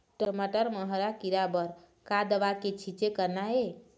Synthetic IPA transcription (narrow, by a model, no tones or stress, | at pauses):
ʈəməʈəɾməɦəɾakiɾabəɾ | kad̪əʋaket͡ʃʰit͡ʃekəɾnae